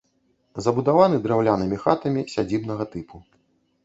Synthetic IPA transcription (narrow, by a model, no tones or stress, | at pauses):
zɐbud̪avanɨd̪ɾɛwlʲanɨmʲixat̪ɐmʲisʲad͡zʲibnɐɣɐt̪ɨpu